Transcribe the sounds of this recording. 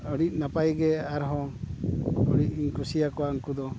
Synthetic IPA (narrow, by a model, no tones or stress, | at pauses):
ɔɽic̚ˀnapajɡɛaɾɦɔ̃ | ɔɽic̚iɲkusijakɔwaəŋkud̪ɔ